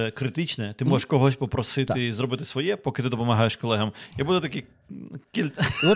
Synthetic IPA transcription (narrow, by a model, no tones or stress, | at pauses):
ɛkɾɪt̪ɪt͡ʃnɛt̪ɪmɔʒeʃkɔɦɔsʲpɔpɾɔsɪt̪ɪzɾɔbɪt̪ɪ̥sʋɔjɛpɔkɪt̪ɪd̪ɔpɔmɐɦɑjeʃkɔlˠɛɦɐmjɐbud̪ɛt̪ɐki | kʲilʲt̪